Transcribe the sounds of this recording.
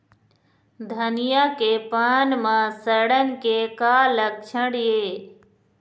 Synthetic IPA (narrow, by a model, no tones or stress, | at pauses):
d̪ʱənɪjakepaːnmãːsəɽənɪ̆kekaːlək̚t͡ʃʰə̃ɽijeː